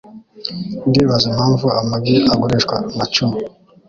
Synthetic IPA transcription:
ndiβazimhaːɱvuamaɡiaɡoɾeʃkwanat͡ʃumi

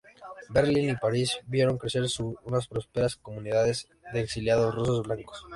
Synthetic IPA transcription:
be̞ɾlinipaɾizbje̞ɾo̞ŋkɾe̞se̞ɾsuunaspɾo̞spe̞ɾasko̞mũniðaðe̞z | ðeːksiljaðosrusozβblaŋko̥s

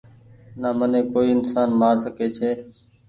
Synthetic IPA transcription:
naːmənẽːkoːiːɪnsaːnmaːɾsəkeːt͡ʃʰeː

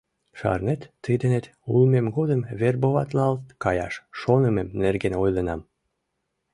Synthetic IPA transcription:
ʃɑ̰rnet̪ːəjd̪ənet̪ | ulmemɡod̪əmβerboβɑt̪lɑlt̪kɑjɑ̰ʃʃonəmemnerɡenojlənɑm

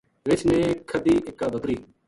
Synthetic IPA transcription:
ʋɪt͡ʃʰnẽːkʰəd̪iːʔɪkːaːbəkɾiː

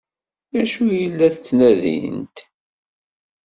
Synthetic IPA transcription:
æʃujəlːæθət͡sːnæðḭnt̪

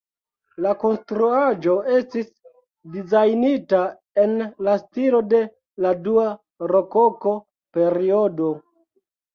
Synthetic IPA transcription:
lako̞nstɾuad͡ʒo̞e̞stis | dizajnita | e̞nlastilo̞de̞ | ladua | ɾo̞ko̞ko̞ | pe̞ɾiodo̞

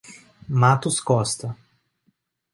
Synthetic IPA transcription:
mat̪uskɔst̪a

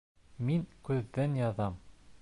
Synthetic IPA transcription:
miŋkʉðːɘnjɒðɑm

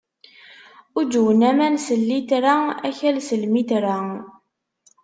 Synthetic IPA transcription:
ʊd͡ʒ̪wənæmænsəlːit̪ɾææçælsəlmit̪ɾæ

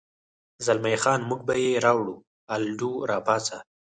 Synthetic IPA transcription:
zalmajxɑːnmuɡ̚bajeɾɑwɽu | alɖuɾɑːpɑːt͡sa

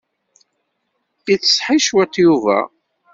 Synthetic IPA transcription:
it͡sːə̥sħiʃwæt̪ːjuvæ̰

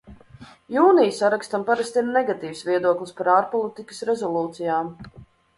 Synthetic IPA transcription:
juːnijsaɾakst̪ampaɾast̪innɛɡat̪iːvsvʲiɛd̪uɔklˠispaɾaːɾpɔlˠit̪ikə̥sɾɛzɔlˠuːt̪sijaːm

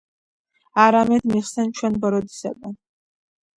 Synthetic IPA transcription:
aɾamɛd̪miχsɛnt͡ʃʰwɛnbɔɾɔd̪i̥sɛbɛn

